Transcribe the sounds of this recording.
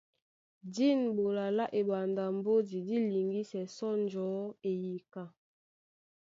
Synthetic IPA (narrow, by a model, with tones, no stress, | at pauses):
di˦nbo˨la˨la˦ʔe˨ba˨nda˨mbo˦di˨di˦li˨ŋɡi˦sɛ˨sɔ˦nd͡ʒɔ˨˦e˨ji˨ka˦˨